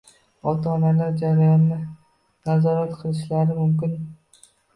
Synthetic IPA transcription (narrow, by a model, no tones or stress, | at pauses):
ɒt̪ʰaːnalaɾd͡ʒaɾajɒnːɪ | nazɒɾat̪qʰɨlˠɪʃlaɾɪmʊmkʲɪn